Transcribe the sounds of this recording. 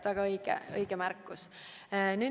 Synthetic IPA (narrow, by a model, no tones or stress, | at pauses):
væɡ̥ɑɤjɡ̥ɛ̰ɤjɡ̥emærkːˑus | nyː